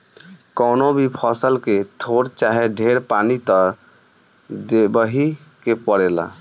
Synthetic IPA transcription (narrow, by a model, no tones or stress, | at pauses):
kɔnobʱipʰɔsəlket̪ʰoɽt͡ʃaɦeɖʱeɾpanit̪ɔ | d̪ebəɦikepəɽela̰